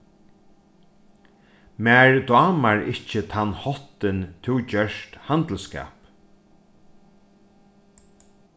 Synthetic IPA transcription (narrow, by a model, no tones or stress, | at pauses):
mɛːɹd̪ɑːmaɹɪht͡ʃət̪ʰanːhɔt̪ɪnt̪ʰɪwt͡ɕœʃt̪hant̪l̩ska̰ːp